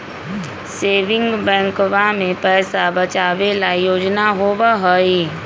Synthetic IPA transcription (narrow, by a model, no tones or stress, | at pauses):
seːʋɪ̃ŋɡbɛ̃ːŋkʋamẽpɛːsabət͡ʃaːʋelajoːd͡ʒnaɦoʋaɦoi